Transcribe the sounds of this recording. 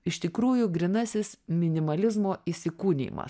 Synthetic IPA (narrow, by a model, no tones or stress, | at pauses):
ɪʃʲt̪ʲɪkɾuːjʊɡɾʲɪnɐsʲɪsmʲɪnʲɪmɐlʲɪzmoːisʲɪkuːnʲḭːmɐ̰s